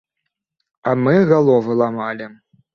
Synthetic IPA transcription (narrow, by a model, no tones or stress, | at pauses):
amɨɣalˠɔvɨlˠamalʲi